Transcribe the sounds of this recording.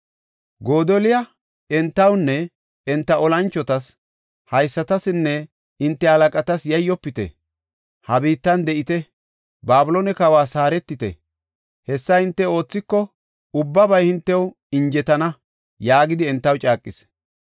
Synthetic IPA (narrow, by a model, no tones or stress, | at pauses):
ɡo̞ːd̪ɔlɪjɐ | ɛnt̪ːɐwnːɛ | ɛnt̪ːɐʔɔlɐnt͡ʃːɔt̪ɐs | hɐjsːɐt̪ɐsɪnːɛ | ɪnt̪ːɛhɐlɐkʼɐt̪ɐsjɐjːɔpːɪt̪ɛ̰ | hɐbiːt̪ːɐnd̪ɛʔɪt̪ɛ | baːbɪlonɛkɐwaːsaːɾɛt̪ːɪt̪ɛ̰ | hɛsːɐɪnt̪ːɛo̞ːt͡sːɪkːɔ | ʊbːɐbɐjhɪnt̪ːɛw | ɪɲd͡ʒɛt̪ɐnɐ | jaːɡɪd̪ɪɛnt̪ːɐwt͡ʃʼaːkʼːɪs